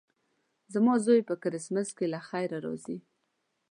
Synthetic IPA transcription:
zamɑzojpəkaɾɪsməzkelaxajɾaɾɑ̰zi

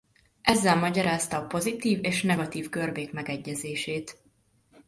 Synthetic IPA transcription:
ʔɛzːɛlmɒɟɒɾaːst̪ɒːpo̞zit̪iːveːʃnɛɡɒt̪iːvkørbeːkmɛɡɛɟːɛzeːʃeːt̪

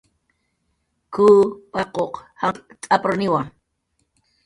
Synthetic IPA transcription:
kʰuːpɑqoqhaŋt͡sʼapʼɾonɪwaŋ

